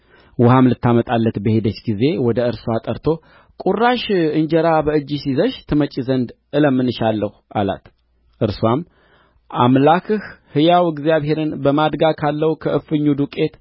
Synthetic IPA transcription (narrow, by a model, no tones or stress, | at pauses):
wʊhamlɨt̪ːamət̪ʼalːət̪bəhe̞d̪ət͡ʃːɡize̞wɔd̪əɨɾswat̪ʼəɾt̪ʰo̞ | kʼurːaʃɨɲd͡ʒəɾabəɨd͡ʒːisizəʃt̪ʰɨmət͡ʃʼːizənd̪ | ɨləmːɨnːɨʃalːəhua̰la̰t̪ | ʔɨɾswam | amlakʰɨhhɨjawɨɡzijaβhe̞ɾɨnbəmad̪ɡakʰalːəwkʰəʔɨfɨɲːud̪ukʼe̞t̪